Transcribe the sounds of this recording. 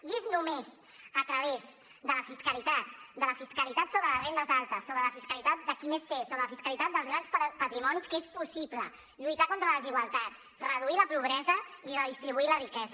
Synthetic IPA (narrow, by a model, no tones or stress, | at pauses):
neznumez | ət̪ɾəβ̞ez | d̪ələfiskəlit̪at̪̚d̪ələfiskəlit̪at̪soβɾələzrend̪əzalˠt̪əsːoβɾələfiskəlit̪at̪̚d̪əkimest̪esoβɾələfiskəlit̪at̪̚d̪əlˠzɣɾansppət̪ɾimɔniskespusiplə | ʎujt̪akont̪ɾəlziɣwəlˠt̪at̪̚ | rəð̞uiləpuβɾɛzəirəðist̪ɾiβuilərikɛz